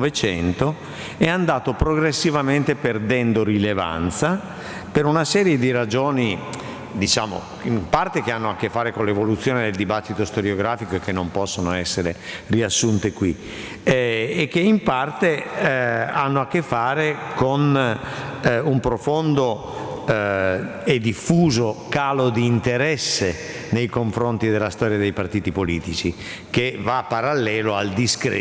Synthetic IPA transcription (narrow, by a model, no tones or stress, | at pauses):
vet͡ʃɛnt̪o | ɛand̪aːt̪opɾoɡɾesːivament̪eperd̪ɛnd̪oɾileva̰nt̪sa | peɾunasɛːɾjed̪iɾad͡ʒoːni | d̪it͡ʃaːmo̰ | impart̪ekeanːoakːefːaːɾekonlevolut̪sːjoːned̪eld̪ibat̪ːit̪ost̪oɾjoɡɾaːfikoekːenːompɔsːonoɛsːeɾḛriasːunt̪ekwi | kːeimpart̪e | anːoakːefːaːɾekon | umpɾofond̪o | ed̪ifːuːzokaːlod̪iːnt̪eɾɛsːe | nejkoɱfɾont̪id̪elːast̪ɔːɾjad̪ejpart̪iːt̪ipoliːt̪it͡ʃi | k̟evapːaɾalːɛːloald̪iskɾḛ